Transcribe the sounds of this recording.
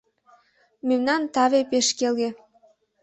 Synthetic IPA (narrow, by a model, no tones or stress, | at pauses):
memnɑnt̪ɑβepeʃkelɣe